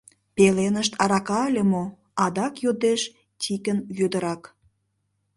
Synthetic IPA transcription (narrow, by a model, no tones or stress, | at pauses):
pelenəʃt̪ɑɾɑkɑlʲemo | ɑd̪ɑkjod̪eʃ | tʲikənjød̪əɾɑk